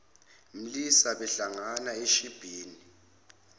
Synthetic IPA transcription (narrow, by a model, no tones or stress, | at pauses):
m̩lisaɓɛɬaŋanaeʃib̥ʱiːni